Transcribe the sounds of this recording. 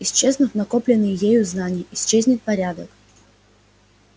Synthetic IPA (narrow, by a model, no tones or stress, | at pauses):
ɪsʲt͡ɕe̞znɨfnɐkoplʲɪnːɨjjejʊznanʲɪjəɪsʲt͡ɕezʲnʲɪt̪̚pɐɾʲad̪ək